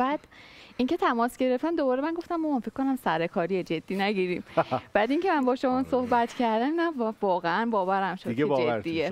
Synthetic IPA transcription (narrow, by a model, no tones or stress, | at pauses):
bæd̪̥ʔince̞t̪ʰæmɒːsɡɟe̞ɾe̞ft̪æmd̪obɒːɾemænɡo̞ft̪æmːounfekʰːonæmsæɾekʰɒːɾijed͡ʒe̞d̪̥ːiːnæɟiːɾiːmb̥æd̪iŋcʰemænbɒːʃomɒːsohbæt̪ʰcʰæɾd̪æminævɒːɣeænbɒːvæɾæmʃod͡ʒed̪ːie